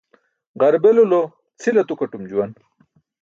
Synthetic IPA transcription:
ʁɐɾbelulo | t͡sʰilɐt̪ukɐʈumd͡ʑuwɐn

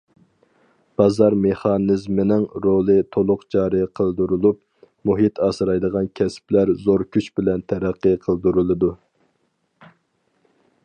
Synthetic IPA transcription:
b̥ɑzɑɾmeχɑnɨzmɪnɪŋɾolˠɨt̪ʰolˠʊqd͡ʒɑːɾɨqʰəlˠd̪uɾulˠup̚ | muɦit̪ʰɑːsɨɾɑjd̪əʁɑnkʲʰɛsplæɾzoɾkʲyt͡ʃbɪlɛnt̪ʰɛɾæqːɨqʰəlˠd̪uɾulˠɨd̪u

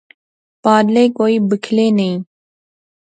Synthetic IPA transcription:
paːd̪leːkoːiːbəkʰleːnəĩː

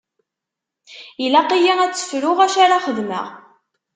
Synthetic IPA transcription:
ilæqijænæt͡sːə̥fɾʊʁæʃaɾaχəðmə̰ʁ

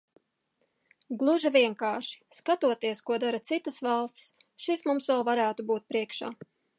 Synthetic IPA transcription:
ɡlˠuʒavʲiɛŋkaːʃi̥skat̪uɔt̪iɛskuɔd̪aɾat̪sit̪ɐsvɑlˠst̪ʲsʃismumsvɛlˠvaɾæːt̪ubuːt̪̚pɾiɛkʃaː

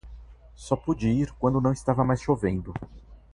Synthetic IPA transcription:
sɔpud͡ʒiiɾkwɐ̃nd̪ʊnɐ̃w̃st̪avɐmajsʃovẽnd̪ʊ

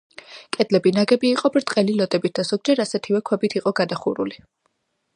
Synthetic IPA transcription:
kʼɛd̪lɛbinaɡɛbiːqʼɔbɾt̪ʼqʼɛlilɔd̪ɛbit̪̚d̪az̥ɔɡ̚d͡ʒɛɾasɛt̪ʰivɛkʰwɛbit̪ʰiqʼɔɡad̪aχuɾṵli

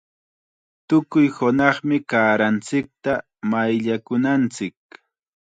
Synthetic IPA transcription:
t̪ʊkʊjhʊnɑχmɪkaːɾant͡sɪk̚t̪a | majʎakʊnant͡sɪk̚

